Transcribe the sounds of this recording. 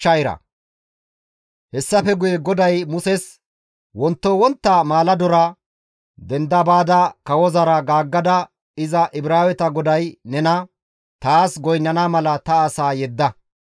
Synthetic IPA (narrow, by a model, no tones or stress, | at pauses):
t͡ʃːɐjɾɐ̰ | hɛsːɐfɛɡʊjɛɡɔd̪ɐjmʊsɛs | wɔnt̪ːowɔnt̪ːamaːlɐd̪ɔɾɐ | d̪ɛnd̪ɐbaːd̪ɐkɐwɔzɐɾɐɡaːɡːɐd̪ɐ | ɪzɐʔɪbɾaːwɛt̪ɐɡɔd̪ɐjnɛnɐ | t̪aːsɡɔjnːɐnamɐlɐt̪ɐːsaːjɛd̪ːɐ